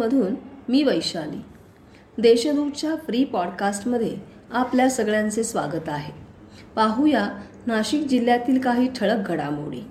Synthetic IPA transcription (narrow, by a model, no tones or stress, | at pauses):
əd̪ʱuːnmiːʋəjɕalḭː | d̪eɕəd̪upt͡ɕjafɾiːpɔɽkasʈməd̪ʱːje | apljasəɡɭjãnt͡sesʋa̰ɡət̪aɦe | paɦuja | naɕik̚d͡ʑilːjat̪iːlkaɦiːʈʰəɭək̚ɡʱəɽa̰mo̰ɽḭː